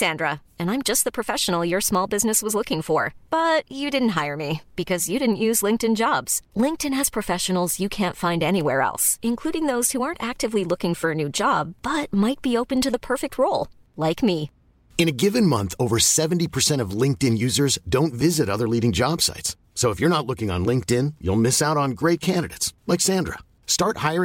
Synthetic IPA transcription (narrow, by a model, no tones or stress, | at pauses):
sæ̃ndɹə | ɨ̃ñãɪ̃md͡ʒʌst̪̚ðəpʰɹ̥ɨfɛʃən̩l̩ˠjə˞smɔlˠbɪznɨswʌzlʊkɪ̃ŋfə˞b̥ʌt͡ʃɨdɪdⁿn̩t̚ɦaɪə˞mib̥ɨkʰʌzjɨɾɪdⁿn̩ʔjʉzlɪ̃ŋk̚tɨ̃nd͡ʒɑbz̥lɪ̃ŋk̚tɨ̃nɨz̥pʰɹ̥ɨfɛʃɨn̩l̩ˠzjɨkʰæ̃ntfãɪ̃ndɛñiwɛɹɛ̰lˠsɨ̃nkʰl̥uɾɪ̃ŋðoʊz̥huɑɹntæk̚tɨvlilʊkɪ̃ŋfə˞ɨnʉd͡ʒɑb̥ːʌt̚maɪt̚b̥ioʊpɨ̃ntɨðəpʰɜ˞fɨk̚t̚ʰɹoʊlˠ | laɪkmi | ɨ̃ñɨɡɪvɨ̃nmʌ̃nθoʊvə˞sɛvn̩tipʰə˞sɛ̃ɾ̃ʌvlɪ̃ŋk̚tɨ̃njʉzə˞zdõʊ̃ntvɪzɨɾʌðə˞liɾɪ̃ŋd͡ʒɑb̥sa̰ɪtsːoʊəfjə˞ñətˡlʊkɪ̃ŋə̰̃n̩lɪ̃ŋk̚tɪ̃njṵlˠmɪsaʊɾn̩ɡɹeɪt̚kʰæ̃ndɨɾeɪtslɛksæ̃ndɹə̰ | stɑɹt̚haɪə˞